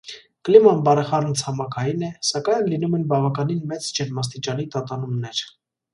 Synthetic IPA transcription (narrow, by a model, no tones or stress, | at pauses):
klimɑnbɑɾɛχɑɾmt͡sʰhɑmɑkʰɑjinɛsɑkɑjnlinumɛnbɑvɑkɑninmɛt͡sd͡ʒɛnmɑs̬t̪it͡ʃɑnit̪ɑt̪ɑnumnɛɾ